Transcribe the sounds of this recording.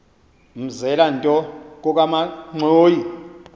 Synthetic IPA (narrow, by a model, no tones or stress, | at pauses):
m̩zɛlantʼɔk̬ʼɔk̬amaŋ͡ǀʱoːji